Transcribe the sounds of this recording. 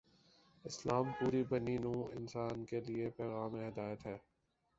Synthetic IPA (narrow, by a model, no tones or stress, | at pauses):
ɪslaːmpuːɾibɐninũːɪ̰nsaːnkeliepɛːɣaːmẽɦɪd̪aːjət̪ɦɛː